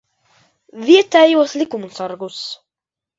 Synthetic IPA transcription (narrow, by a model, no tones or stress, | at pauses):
vʲiɛt̪ɛjuɔslʲikumsaɾɡus